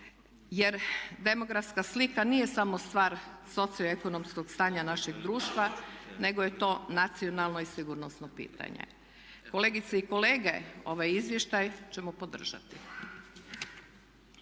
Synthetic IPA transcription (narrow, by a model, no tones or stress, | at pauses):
je̞ɾd̪e̞mo̞ɡɾafskaslikaniːje̞samost̪ʋaːɾ | so̞t̪sioeko̞nomsko̞ɡst̪aːɲanaʃe̞ɡd̪ɾuːʃt̪ʋane̞ɡoje̞t̪o̞ːnat̪sio̞nalˠno̞isiɡuːɾnosnopḭːt̪a̰ɲḛ | ko̞leɡit̪seiko̞leːɡeo̞̰ʋajizʋje̞ʃt̪ajt͡ɕe̞mopo̞d̪r̩ʒa̰t̪i